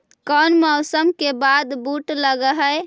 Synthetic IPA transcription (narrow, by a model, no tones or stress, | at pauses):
kənmɔʊsəmkebad̪buʈləɡəɦəj